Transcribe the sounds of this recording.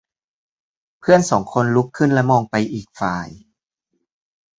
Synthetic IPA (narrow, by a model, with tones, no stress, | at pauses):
pʰɯ˥˩ənsɔː˩˦ŋkʰo˧nlu˦˥kʰːɯ˥˩nlɛ˦˥mɔː˧ŋpa˧jʔiː˨˩k̚fa̰ː˨˩j